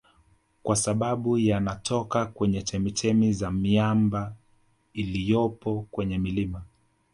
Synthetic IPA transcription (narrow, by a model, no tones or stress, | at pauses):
kwʔasaɓaɓujanatʰɔkakwɛɲɛt͡ʃɛmitɛmizamiamba | ilijɔpɔkwɛɲɛmilima